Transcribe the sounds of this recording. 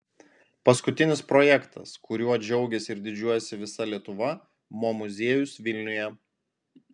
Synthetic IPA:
pɐskʊt̪ʲɪnʲɪspɾɔːjɛkt̪ʰɐ̰skʊɾʲuɔɐd͡ʒʲɛʊɡʲɛsʲɪɪɾd̪ʲɪd͡ʒʲuɔjɛsʲɪʋʲɪsɐlʲiɛt̪ʊʋɐ | muɔmʊzʲiɛjʊsʋʲɪlʲnʲʊjɛ

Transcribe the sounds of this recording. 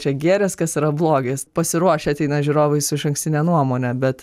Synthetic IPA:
t͡ʃʲɛɡʲæːɾʲɛskɐsiːɾɐblˠoːɡʲeːspɐsʲɪɾuɔʃʲɛɐt̪ʲɛɪnɐʒʲuɾoːʋɐɪsɪʃɐŋksʲt̪ʲɪnʲɛnuɔmoːnʲɛbʲɛt̪

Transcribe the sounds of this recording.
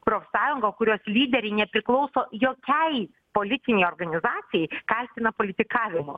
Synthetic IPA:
pɾoːfʲsɑːjʊŋɡoːkʊɾʲoːslʲiːd̪ʲɛɾʲɛɪnʲɛpʲɾʲɪklˠɒʊsoːjoːkʲɛɪ | poːlʲɪt̪ʲɪnʲɛɪoːrɡɐnʲɪzɑːt̪sʲɪjɛɪkɑlʲt̪ʲɪnɐpoːlʲɪt̪ʲɪkɑːʋʲɪmʊ̰

